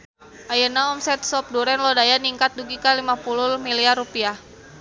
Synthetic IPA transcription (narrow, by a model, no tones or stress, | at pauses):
ʔajənaɔmsɛt̪̚sɔp̚duɾɛnlɔdajaniŋkat̪̚duɡikalimapulʊmiliarːupiah